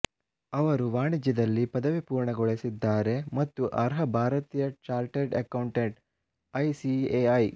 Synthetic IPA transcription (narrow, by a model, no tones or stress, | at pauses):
ɐʋɐɾuʋaːɳid͡ʒjɐd̪ɐlːipɐd̪ɐʋipuːɾɳɐɡɔɭesid̪ːaːɾe̞mɐt̪ːuʔɐɾɦɐbʱaːɾɐt̪iːjɐt͡ʃaːlʈeɖɐ̰kɐwɳʈeɳʈ | ɐjsieɐj